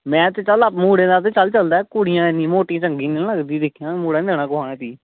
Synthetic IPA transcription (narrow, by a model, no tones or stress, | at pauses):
mɛ̃ːt̪et͡ʃələpmuːɽẽːd̪aːt̪̬eːt͡ʃəlt͡ʃəld̪aːkʊɽɪjãːenĩːmoːʈĩãːt͡ʃəŋɡĩːnɪləɡd̪iːd̪ɪkʰːijãːmuːɽẽːnd̪eːnaːkʊaːnẽːt̪iː